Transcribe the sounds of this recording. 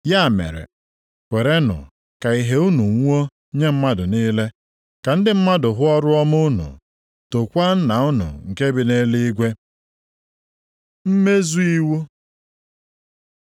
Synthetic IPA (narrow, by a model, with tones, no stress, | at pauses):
ja˦˨mḛ˨ɾḛ˨ | kʷe˨ɾe˦nʊ̰˨ | ka˨i˨ɦe˦u˦nu˨ŋʷ˦o˦ | ɲe˦m̩˦ma˦dʊ˨niː˦le˦ | ka˨n̩˦dɪ˦m̩˦ma˦dʊ˨ɦʊ˦ɔ˦ɾʊ˦ɔ˦mʊ˦nṵ˨ | to˨kʷa˦n̩˦na˨ʊ˦nʊ̰˨ŋ̩˨ke˦bɪ˨ne˦li˦i˦ɡʷe˦ | m̩˦me˦zu˦i˦wu˦